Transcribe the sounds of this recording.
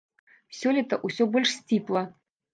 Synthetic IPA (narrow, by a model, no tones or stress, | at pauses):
sʲɔlʲit̪ɐʔusʲɔbɔlʲʂsʲt͡sʲiplˠɐ